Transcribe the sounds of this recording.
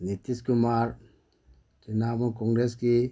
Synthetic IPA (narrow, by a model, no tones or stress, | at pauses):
nit̪ːiskumaːɾ | t͡ʃinaːʋuŋkoŋɡɾeski